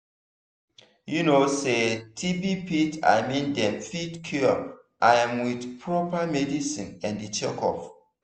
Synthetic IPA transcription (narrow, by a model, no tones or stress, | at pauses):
junosetʰibipita̰jmĩndɛ̃mfidkʰju | ʔajãmwidpʰɹɔpamɛdisĩnɛ̃ndit͡ʃɛkɔ̰f